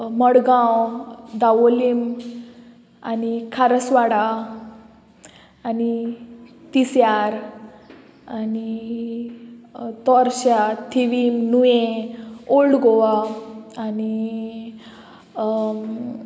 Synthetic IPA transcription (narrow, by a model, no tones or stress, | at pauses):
məɽɡãwd̪aʋolim | a̰nikʰaɾəsʋaɽa | ani | t̪isjaɾ | ani | t̪ɔɾɕat̪ʰiʋimnuje | oɭɡoʋaː | ni